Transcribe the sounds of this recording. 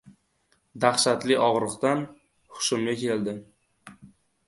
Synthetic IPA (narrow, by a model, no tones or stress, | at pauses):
d̪aχʃat̪lɪʔɒʁɾɨqt̪an | hʊ̥ʃʊmɡʲakʲʰeld̪ɪ